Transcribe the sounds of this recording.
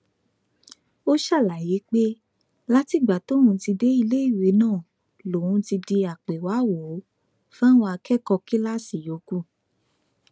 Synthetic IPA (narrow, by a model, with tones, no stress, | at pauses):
o˦ʃa˦˨la˨je˨˦k͡pe˦ | la˦ti˦˨ɡ͡ba˨to˦ũ˧˦ti˧de˦i˧le˦i˦˨we˨˦nãː˦˨ | lõ˨ũ˨˧˦ti˧di˧a˨k͡pe˨wa˨˦wo˨˦ | fã˦w̃ɔ̃˧a˧kɛ˦kɔ˧ki˦la˦si˦˨jo˨˦ku˦˨